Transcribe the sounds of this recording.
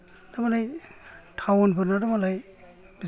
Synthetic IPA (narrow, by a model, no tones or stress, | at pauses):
damalajtʰawnpʰɯɾnadamalaj | bi